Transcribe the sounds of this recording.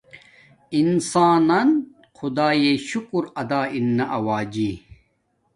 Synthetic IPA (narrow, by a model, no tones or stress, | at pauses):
insaːnɐn | xʰud̪aːjeɕukuɾɐd̪aːinːɐʔɐwaːd͡ʑi